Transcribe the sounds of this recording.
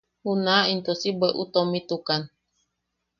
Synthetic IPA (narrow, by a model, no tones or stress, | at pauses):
unaint̪ɔsibɛʔṵt̪ɔmit̪ukan